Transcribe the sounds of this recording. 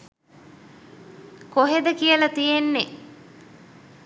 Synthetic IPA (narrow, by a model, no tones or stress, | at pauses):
koɦed̪əkijəlɐt̪ijenːe